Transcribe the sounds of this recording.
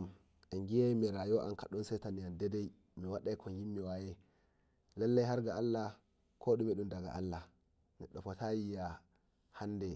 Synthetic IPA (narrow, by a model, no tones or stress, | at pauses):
m | ʔɛŋɡijajmɛɾajɔʔa̰nka̰ɗɔnsɛjtanijandɛdɛj | miwaɗajkʰɔnjimːiwajɛ | lalːajɦaɾɡaalːa | kʰɔɗumɛɗundaɡa̰ʔa̰lːa | nɛɗɔfɔtajija | hanːdɛ